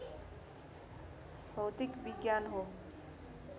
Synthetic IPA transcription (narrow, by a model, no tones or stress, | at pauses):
bʱəwt̪ɪkbiɡjanɦo